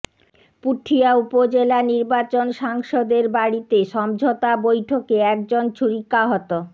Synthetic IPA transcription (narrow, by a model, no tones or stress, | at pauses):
puʈʰːiaupod͡ʑelaniɾbat͡ɕonʃaŋʃod̪eɾbaɽit̪eʃɔmd͡ʑʱot̪abojʈʰokeɛk̚d͡ʑont͡ɕʰuɾikaɦɔt̪o